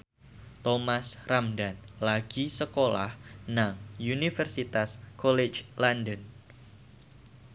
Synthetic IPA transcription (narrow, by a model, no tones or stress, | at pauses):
t̪omasramdanlaɡ̥isəkola̰hnaŋunifərsit̪askɔlet͡ʃlandən